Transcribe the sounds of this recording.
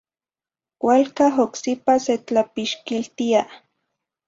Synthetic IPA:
wʷalkaɦoksipaset͡ɬapiʃkilt̪ia

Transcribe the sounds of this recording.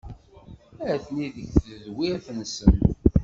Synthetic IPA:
æθniðəçθəðwiæθənsən

